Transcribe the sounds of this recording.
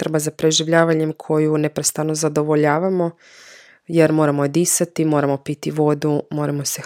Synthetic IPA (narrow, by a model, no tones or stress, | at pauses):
t̪r̩bazapɾeʒiʋʎaːʋaɲemkʰo̞junepɾest̪anozad̪o̞ʋo̞ʎaːʋamo̞ | jeɾmo̞ːɾamod̪iːsat̪imo̞ːɾamo̞pit̪iʋo̞d̪umo̞ːɾamo̞se